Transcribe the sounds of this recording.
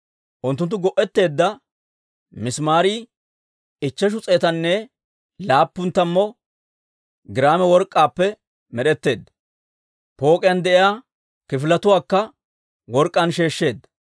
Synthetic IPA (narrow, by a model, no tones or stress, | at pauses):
ʔʊnt̪ːʊnt̪̬ːʊɡɔʔɛt̪ːe̞ːd̪ːɐ | mɪsmaːɾi | ɪt͡ʃːɛʃ̬ʊt͡sʼeːt̪ɐnːɛ | laːpːʊnt̪ːɐmːɔ | ɡɪɾaːmɛwɔɾkʼːaːpːɛ | mɛɗɛt̪ːe̞ːd̪ːɐ | po̞ːkʼɪjand̪ɛʔɪjaː | kɪfɪlɐt̪ʊwaːkːɐ | wɔɾkʼːɐnʃe̞ːʃːe̞ːd̪ːɐ̥